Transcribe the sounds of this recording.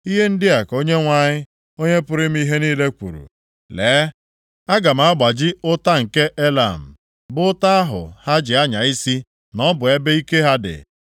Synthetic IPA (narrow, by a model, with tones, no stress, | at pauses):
i˦ɦe˦n̩˦dɪ˦a˨ko˦ɲe˦ŋʷa˨ɲɪ˦ | o˦ɲe˦pʊ˦ɾɪ˦m̩˦i˦ɦe˦niː˦le˦kʷṵ˨ɾṵ˨ | leː˨˦ | a˦ɡa˨m̩˨˦a˦ɡ͡ba˨d͡ʒɪ˦ʊ˦ta˦ŋ̩˨ke˦ʔe˦la̰˨m̩˨ | bʊ˦ta˦a˦ɦʊ̰˨ha˦d͡ʒɪ˨a˦ɲa˨i˦si˦ | nɔ˦bʊ˨e˦be˦i˦ke˦ɦa˦dɪ̰˨